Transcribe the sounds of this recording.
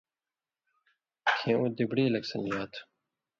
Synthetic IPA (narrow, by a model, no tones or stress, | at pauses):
kʰẽũːd̪ibɽiːlɐksɐnjaːt̪ʰ